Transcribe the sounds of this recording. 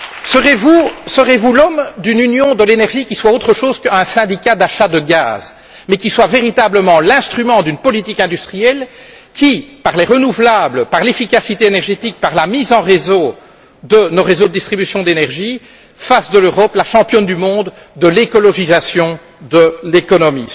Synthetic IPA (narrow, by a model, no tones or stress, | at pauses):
səʁevusəʁevulɔmd̪ynynjɔ̃d̪əlenɛʁʒikʲiswaot̪χəʃoːz̥kɛ̃sɛ̃d̪ikʲad̪aʃad̪əɡa̰ːz | mɛkʲiswaveʁit̪abləmɑ̃lɛ̃st̪χymɑ̃d̪ynpɔlit̪ikɛ̃d̪yst̪χijɛl | kʲʰipaʁleʁənuvlabləpaʁlefikasit̪eenɛʁʒet̪ik̚paʁlamizɑ̃ʁezo | d̪ənoʁezod̪əd̪ist̪χibysjɔ̃d̪enɛʁʒi | fasd̪əløʁɔplaʃɑ̃pjɔnd̪ymɔ̃d̪ː | əlekɔlɔʒizasjɔ̃ | d̪əlekɔnɔmḭ